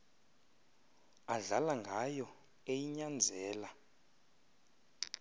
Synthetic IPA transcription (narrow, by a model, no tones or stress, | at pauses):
aɮalaŋɡʱajɔ | ejiɲand͡zʱɛːla